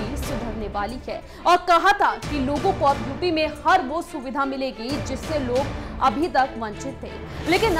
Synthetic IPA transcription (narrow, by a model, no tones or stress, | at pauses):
isʊd̪ʱəɾneʋaːliɦɛː | ɔːɾkɐɦat̪ʰakiloːɡõkoɐb̚d̪ʱuːpimẽhɐɾʋosʊʋɪd̪ʱamɪleːɡid͡ʒɪsːeloːɡɐbʱit̪ɐkʋɐ̃ɲt͡ʃɪt̪ɦḛ̃ː | leːkɪn